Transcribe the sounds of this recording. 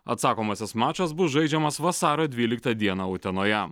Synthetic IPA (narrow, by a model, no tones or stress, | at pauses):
ɐt̪sɑːkoːmɐsʲɛsmɑːt͡ʃʲosbʊsʒɐɪd͡ʒʲɛmɐsʋɐsɑːɾoːd̪ʲʋʲiːlʲɪkt̪ɐd̪ʲiɛnɐʊt̪ʲɛnoːjɛ